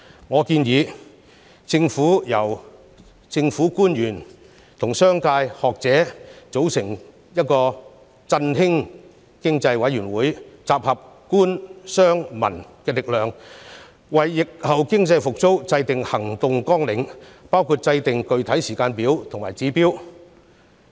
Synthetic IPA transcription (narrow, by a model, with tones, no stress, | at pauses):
ŋɔː˨˧kiː˧njiː˨˧ | t͡sɪ˧ŋfuː˨˥jɐ˨˩w | t͡sɪ˧ŋfuː˨˥kuː˥njyː˨˩n | t̪ʰʊ˨˩ŋsœː˥ŋkaː˧jhɔː˨k̚t͡sɛː˨˥t͡so˨˥wsɪ˨˩ŋ | jɐ˥t̚kɔː˧ | t͡sɐ˧nhɪ˥ŋ | kɪ˥ŋt͡sɐ˧jwɐ˨˥jɥyː˨˩nwuː˨˥jt͡saː˨p̚hɐ˨p̚kuː˥nsœː˥ŋmɐ̰˨˩nkɛː˧lɪ˨k̚lœː˨ŋ | wɐ˨˩jːɪ˨k̚hɐ˨wkɪ˥ŋt͡sɐ˧jfʊ˨k̚t͡so˥wt͡sɐ˧jt̪ɪ˨ŋhɐ˨˩ŋt̪ʊ˨ŋkɔː˥ŋlɪ˨˧ŋpaː˥wkʰuː˧t̚t͡sɐ˧jt̪ɪ˨ŋkɵ˨˧ɥt̪ʰɐ˨˥jsiː˨˩kaː˧npiː˨˥wt̪ʰʊ˨ŋmaː˨˩jt͡siː˨˥piː˥w